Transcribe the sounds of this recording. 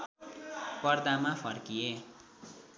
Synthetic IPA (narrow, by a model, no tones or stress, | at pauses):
pʌrd̪amapʰʌrkije